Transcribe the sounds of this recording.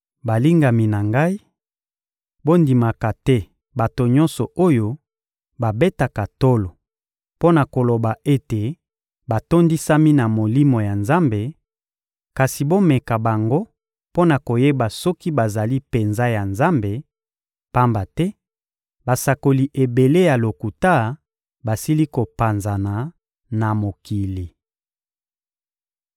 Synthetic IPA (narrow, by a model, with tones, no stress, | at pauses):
ba˨li˦ŋɡa˨mi˨na˨ŋɡa˦i˦ | bo˦ndi˨ma˨ka˨tɛ˦ | ba˨to˨ɲɔ̃˦nsɔ˨o˦jo˦ | ba˨be˦ta˨ka˨to˦lo˨ | po˦na˨ko˨lo˨ba˨e˦te˨ | ba˨to˦ndi˦sa˦mi˦na˨mo˨li˦mo˨ja˨nza˦mbe˨ | ka˨si˨bo˦mɛ˨ka˨ba˨ŋɡo˦ | po˦na˨ko˨je˦ba˨sɔ˦ki˦ba˨za˨li˦pe˨nza˦ja˨nza˦mbe˨ | pa˦mba˨tɛ˦ | ba˨sa˨ko˨li˨ʔe˨be˨le˦ja˨lo˨ku˨ta˦ | ba˨si˦li˦ko˨pa˨nza˨na˨ | na˨mo˨ki˨li˨